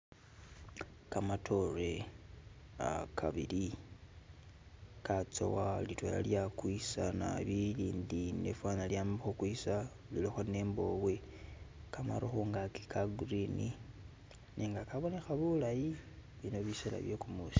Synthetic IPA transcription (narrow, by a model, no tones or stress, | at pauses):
kamatʰo̞re̞ | a̰kʰa̰βḭli | kat͡so̰walitwo̰ja̰ljakwisana̰βiliːndinefwaːnaljaːmixokwisa | liloxoneːmbo̞ːβwe | kama̰ɾoxuːŋɡaki̥kʰaɡrini | niːŋɡakaβo̞ne̞xaβulaji | βino̞βisela̰βjokumuːsi̥